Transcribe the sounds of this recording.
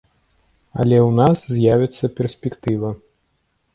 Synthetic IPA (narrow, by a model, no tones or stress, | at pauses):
ɐ̰lʲɛwnaszʲjavʲɛt̪sːɐpʲɛrsʲpʲɛkt̪ɨvɐ